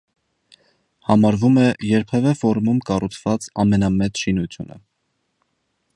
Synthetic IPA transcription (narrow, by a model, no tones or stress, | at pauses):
hɑmɑɾvumɛjɛɾpʰɛvɛfɔɾmumkɑrut͡sʰv̥ɑt͡sɑmɛnɑmɛt͡sʃinut͡sʰjṵnə̰